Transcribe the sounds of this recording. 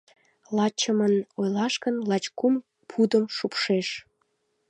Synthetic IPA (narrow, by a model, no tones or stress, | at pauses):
lɑt͡ɕəmənojlɑʃkənlɑt͡ɕkum | pʰud̪əmʃupʃeʃ